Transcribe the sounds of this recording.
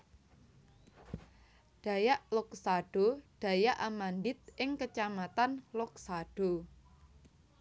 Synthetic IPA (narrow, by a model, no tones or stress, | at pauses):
ɖ̥ä̤jaʔlɔksaɖ̥o̤ɖ̥ä̤jaʔamanɖɪt̪̚ʔɪŋkət͡ʃamat̪anlɔk̚saɖ̥o̤